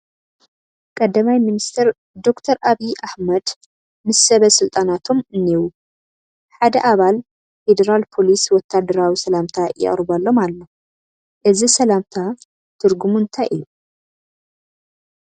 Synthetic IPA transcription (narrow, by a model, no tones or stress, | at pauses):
kʼɐd̪ːɐmajminist̪ʰɐɾ | d̪o̞kt̪ʰɐɾaβiʔaħmɐd̪ | mɨsːɐβɐsɨlt̪ʼanat̪ʰo̞mɨnːiwu | ħad̪ɐʔaβal | fed̪ɐɾalpʰo̞liswɔt̪ʰːad̪ːɐɾawisɐlamt̪ʰajɪ̰χʼɾɨβalːo̞mallːo | ʔɨzisɐlamt̪ʰa | t̪ʰɨɾɡumunt̪ʰajʔɨ̰ju